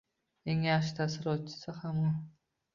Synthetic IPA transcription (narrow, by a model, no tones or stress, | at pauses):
eŋjaχʃ̬ɪt̪ʰasɪɾɒt̪̚t͡ʃʰɪ̥sɪhamɒ